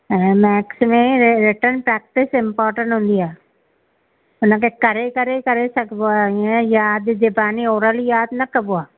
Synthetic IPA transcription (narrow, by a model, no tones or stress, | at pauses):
ɛmɛːksmẽɾɪʈənpɾɛːk̚ʈɪsɪ̃mpɔːɾʈə̃ɳʈɦʊ̃ːnd̪iaː | ʊnəkʰekɐɾekəɾekɐɾesɐkʰboãjaːd̪d͡ʒebaːnioːɾəljaːd̪nɐkəboaː